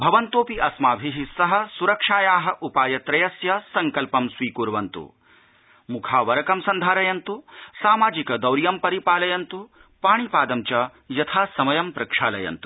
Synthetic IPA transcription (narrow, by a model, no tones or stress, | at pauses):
bʱɐʋɐnt̪oːpiʔɐsmaːbʱiɦisɐɦɐ̆suɾɐkʂaːjaːɦɐ̆ʔupaːjɐt̪ɾɐjɐsjɐsɐŋkɐlpɐmsʋiːkuɾʋɐnt̪ṵ | mukʰaːʋɐɾɐkɐmsɐnd̪ʱaːɾɐjɐnt̪usaːmaːd͡ʒikɐd̪ɐwɾjɐmpɐɾipaːlɐjɐnt̪u | paːɳ̃ipaːd̪ɐmt͡ʃɐ | jɐt̪ʰaːsɐmɐjɐmpɾɐkʂaːlɐjɐ̰nt̪u̥